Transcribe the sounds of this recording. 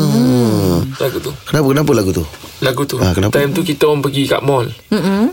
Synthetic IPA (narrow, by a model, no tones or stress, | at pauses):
ə | laɡut̪ukənapəkənapəlaɡut̪u | laɡut̪uakənapt̪ajmt̪ukit̪ompəɡika̰ʔmɔl̩m̩